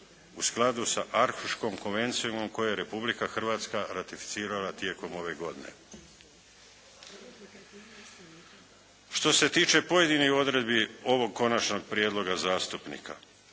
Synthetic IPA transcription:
usklˠad̪usaʔaɾxuʃkomko̞nʋe̞nt̪siumo̞mko̞jejeɾe̞publikaxr̩ʋaːt̪skaɾat̪ifi̥t̪siːɾalat̪je̞ːko̞mo̞ʋe̞ɡo̞d̪ine̞̰ | ʃt̪o̞se̞t̪iːt͡ʃe̞po̞je̞d̪inixo̞d̪ɾe̞d̪bio̞ʋo̞ɡ̚ko̞nat͡ʃno̞ɡ̚pɾijed̪lˠo̞ɡazaːst̪upnḭkʰa̰

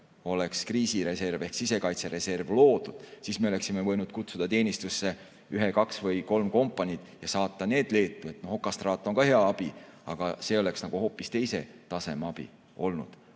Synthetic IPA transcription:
o̞le̞kskriːsiɾe̞se̞rve̞hksise̞kɑjt̪se̞ɾe̞se̞rvlo̞ːd̪̥ud̪̥siːsme̞ole̞ksime̞vɤ̞jnud̪̥kut̪sud̪̥ɑt̪e̞ːnist̪usːe̞ | yɦekɑksvɤjko̞lmko̞mpːˑɑnʲid̪̥jɑsɑːt̪ːˑɑne̞ːd̪̥le̞ːt̪ːˑue̞t̪noho̞kːˑɑst̪rɑːt̪ːˑo̞ŋkɑhe̞ɑɑb̥iɑ̰ɡ̥ɑse̞o̞le̞ksnɑɡ̥uho̞ːpːˑist̪e̞jse̞t̪ɑse̞meɑb̥ḭ | o̞lnṵd̪̥

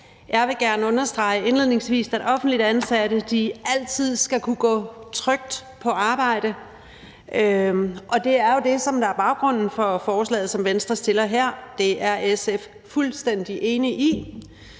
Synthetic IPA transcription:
jɑ̈ɪʋe̝ɡ̥æɐnəɔ̽nɐsd̥ʁɑ̈ɪəe̝nle̝ð̰ˠne̝ŋsʋḭːsæd̥ɒ̽fn̩d̥lid̥ænsæɾəd̥iæl̰t͡sʰið̰ˠsɡ̥ækʰuɡ̥ɔ̰̽ːt͡sʰʁœɡ̥̚d̥pʰɒ̽ʔɑ̈ːb̥ɑ̈ɪ̰ɾ̥ə | ʔøʔɒ̽d̥e̝æɐjo̝de̝sɒ̽md̥ɑ̈æɐb̥ɑ̈ʊɡ̥ʁɔ̽n̰n̩fɒ̽fɒːslɛ̰ːð̩ˠsɒ̽mʋensd̥ʁɐsd̥e̝lɐɦeɐ̰d̥e̝ʔæɐʔesef | fulsd̥en̰d̥iʔe̝ːniʔi

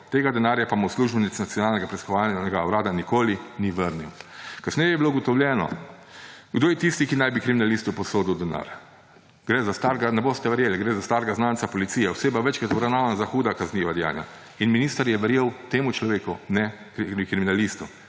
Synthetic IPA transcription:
t̪eːɡad̪ɛnaːɾjapamusluʒbɛnit̪snat̪sjɔnaːlnɛɡapɾɛskɔʋaːlnɛɡawɾaːd̪anikoːliniʋəɾniwkasnɛjɛjɛbilouɡɔt̪ɔwlʲjɛːnɔ̰ | ɡd̪oːjɛt̪ist̪ikinajbikɾiminalist̪upɔsoːd̪uwd̪ɛna̰ːɾ | ɡ̥ɾɛzast̪aːɾɡanɛboːst̪ɛʋɛɾjeːliɡɾɛːzast̪aːɾɡaznaːnt̪sapɔlit̪siːjɛɔseːbaʋɛt͡ʃkɾat̪ɔbɾawnaːʋanazaxuːd̪akazniʋad̪ɛja̰ːnja̰ | inminiːst̪aɾjɛʋɛɾjeːwt̪eːmut͡ʃlɔʋeːkunɛ | kkɾiminalist̪u

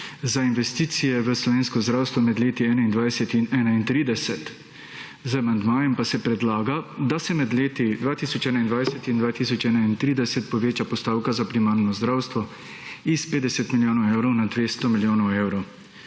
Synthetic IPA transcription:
zainʋɛst̪iːt̪sijɛʋəslɔʋeːnskɔzd̪ɾaːwst̪ʋɔmɛd̪leːt̪iɛːnaind̪ʋajsɛt̪inɛːnaint̪ɾiːd̪ɛsɛt̪ | zəamand̪maːjɛmpasɛpɾɛd̪laːɡad̪asɛmɛd̪leːt̪id̪ʋaːt̪iːsɔt͡ʃɛːnaind̪ʋajsɛt̪ind̪ʋaːt̪isɔt͡ʃɛːnaint̪ɾiːd̪ɛsɛt̪̚pɔʋeːt͡ʃapɔst̪aːwkazapɾimaːɾnɔzd̪ɾaːwst̪ʋɔ | ispeːd̪ɛsɛt̪miljoːnɔwewɾɔwnad̪ʋeːst̪ɔmiljoːnɔwewɾɔw

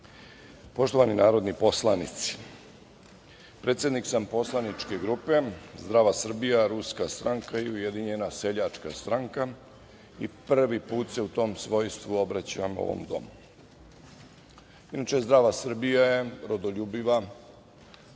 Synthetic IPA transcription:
po̞ʃt̪o̞ʋaninaːɾo̞d̪nipo̞slˠanit̪si̥ | pɾe̞ːt̪sʲje̞d̪niksampo̞slˠanit͡ʃkeɡɾupe̞zd̪ɾaːʋasr̩bijaɾuskast̪ɾaŋkaiuje̞d̪iɲe̞nase̞ʎat͡ʃkast̪ɾaŋka | iprʋipuːt̪se̞ut̪o̞ːmsʋo̞jst̪ʋuo̞bɾat͡ɕaamo̰ʋo̰md̪o̞̰mu | inat͡ʃe̞zd̪ɾaːʋasr̩bijaje̞ɾod̪oʎuːbiʋa

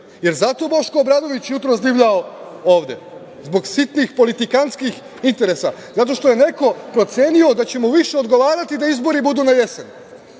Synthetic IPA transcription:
je̞ɾzat̪o̞bo̞ʃko̞bɾad̪o̞ʋit͡ɕjut̪ɾo̞sd̪iʋʎaoo̞ːʋd̪e̞̰ | zbo̞ɡsit̪nixpo̞lit̪ikanskix | int̪e̞ɾe̞sazat̪o̞ʃt̪o̞je̞ne̞ko̞pɾo̞t̪se̞nio̞d̪at͡ɕe̞muʋiʃe̞o̞d̪ɡo̞ʋaːɾat̪id̪aizbo̞ɾibud̪uːnaje̞sen

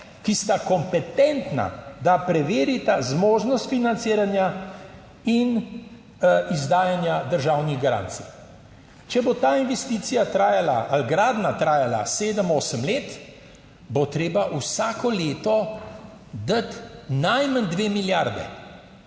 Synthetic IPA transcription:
kist̪akɔmpɛt̪ɛnt̪na̰d̪apɾɛʋeːɾit̪azmoːʒnɔst̪finant̪sɪːɾanja | in | izd̪aːjanjad̪əɾʒaːwniɣɡaɾa̰ːnt̪sḭj | t͡ʃɛbot̪aːinʋɛst̪iːt̪sijat̪ɾaːjalaalɡɾaːd̪nat̪ɾaːjala̰seːd̪əmoːsəmleːt̪ | bot̪ɾeːbaʔusaːkɔleːt̪ɔ | d̪at̪najmand̪ʋeːmiljaɾd̪ɛ̰

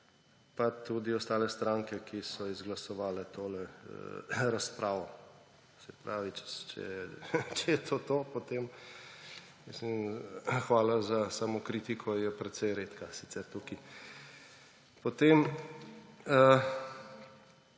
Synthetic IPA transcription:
pat̪ud̪iɔst̪aːlɛst̪ɾaːŋkɛkʰisɔizɡlɐsɔʋaːlɛt̪ʰoːlɛ | ɾaspɾʔaːʋɔ | sɛpɾaːʋit͡ʃɛt͡ʃɛ̰jɛt͡ʃɛjɛt̪ʰoːt̪oːpot̪em | mislimxʋaːlazasamɔkɾit̪ikʰɔjɛpɾɛt̪sɛjɾet̪kasi̥t̪sɛɾt̪uki | pot̪em | ə

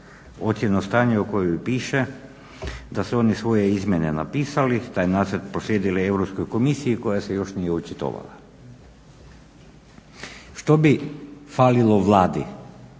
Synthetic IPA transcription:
o̞t̪sʲje̞nost̪aːɲeoko̞joupiːʃe̞ | d̪asuo̞nisʋo̞jeizmʲjene̞na̰piːsalit̪aːjnaːsɾet̪pɾoslʲjeːd̪ileeʋɾopskojko̞misiiko̞jasejo̞ʃnijeut͡ʃit̪o̰ʋa̰la̰ | ʃt̪o̞bifaːlilˠoʋlˠaːd̪i

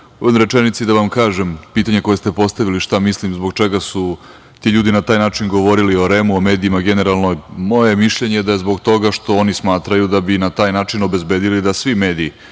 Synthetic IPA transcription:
omɾe̞t͡ʂenit̪sid̪aʋamkaːʒempiːt̪aɲeko̞jest̪epo̞st̪aʋiliʃt̪amislimzbo̞ɡ̚t͡ʃeɡasu | t̪iʎuːd̪inat̪aːjnaːt͡ʂinɡo̞ʋo̞ɾilio̞ɾe̞muomeːd̪iːmaɡeneɾalˠnojmoje̞miʃʎeɲed̪aje̞zbo̞ɡt̪o̞ɡaʃt̪o̞onismaːt̪ɾajud̪abinat̪aːjnaːt͡ʂino̞be̞zbeːd̪ilid̪asʋimeːd̪iː

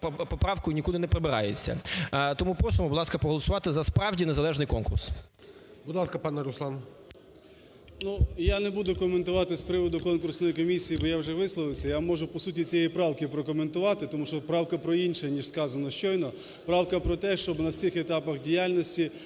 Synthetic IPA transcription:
pɔpɾɑwkʊjnʲikud̪ˠɪnɛpɾɔbɪɾɑ̰jḛt͡sʲːɐ̰t̪ɔmupɔsɔmʊbʊd̪lˠɑskɐpɾɔɦɔlˠɔsʊʋɑt̪ɪzɐspɾɑwdʲinezɐlˠɛʒnɪjkɔnkʊrs | bʊd̪lˠɑskɐpɑnɛɾʊslˠɑn | nujanebud̪ʊkɔment̪ʊʋɑt̪ɪspɾɪʋɔd̪ʊkɔnkʊrsnɔjikɔmʲisʲijibɔjawʒɛʋɪslˠɔʋɪwsʲɐjamɔʒʊpɔsutʲit͡sʲijɛjipɾɑwkɪpɾɔkɔment̪ʊʋɑt̪ɪt̪ɔmuʃɔpɾɑwkɐpɾɔinʃɛnʲiʒskɑzɐnɔʃt͡ʃɔjnɔ | pɾɑwkɐpɾɔt̪ɛʃt͡ʃɔbnɐwsʲixet̪ɑpɐxdʲijalʲnɔsʲtʲi

